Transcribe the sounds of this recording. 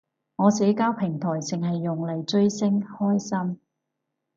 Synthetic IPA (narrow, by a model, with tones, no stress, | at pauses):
ŋɔː˨˧sɛː˨˥kaː˥wpʰɪ˨˩ŋt̪ʰɔː˨˩jt͡sɪ˨ŋɦɐ˨jːʊ˨ŋlɐ˨˩jt͡ʃɵ˥ɥsɪ˥ŋhɔː˥jsɐ˥m